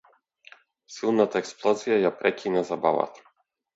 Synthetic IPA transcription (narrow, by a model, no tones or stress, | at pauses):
silˠnat̪aɛksplˠɔzijajapɾɛkʲinazabava̰t̪ʰḁ